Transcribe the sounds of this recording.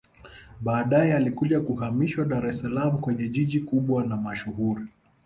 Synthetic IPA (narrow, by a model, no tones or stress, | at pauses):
ɓaːɗajɛalikuʄakuhamiʃwaɗaɾɛsalamukwɛɲɛʄiʄikuɓwanamaʃuɦuɾi